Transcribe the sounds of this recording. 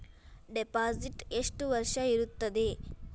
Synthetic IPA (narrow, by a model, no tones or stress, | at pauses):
ɖepad͡ziʈeʂʈuʋəɾʂajiɾut̪ːəd̪e